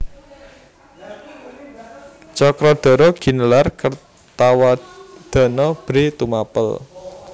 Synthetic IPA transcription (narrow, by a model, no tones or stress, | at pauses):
t͡ʃɔkɾɔd̪̥ɔ̤ɾɔɡ̥i̤nəlarkər | t̪awad̪̥ɔ̤nɔb̥ɾit̪umapə̰l